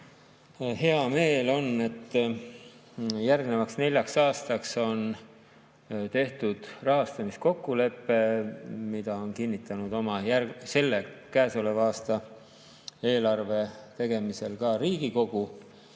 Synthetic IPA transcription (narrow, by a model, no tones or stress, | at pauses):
he̞ɑme̞ːlo̞ne̞t̪ː | jærɡne̞vɑksne̞lʲjɑksɑːst̪ɑkso̞n | t̪e̞ht̪ud̪̥rɑɦɑst̪ɑmisko̞kːule̞pːe̞mid̪̥ɑo̞nkinʲːit̪ːˑɑnud̪o̞mɑjæse̞lːe̞kæːsole̞vɑːst̪ɑ | e̞ːlɑrve̞t̪e̞ɡ̥e̞mise̞lkɑɾiːɡ̥iko̞ɡ̥u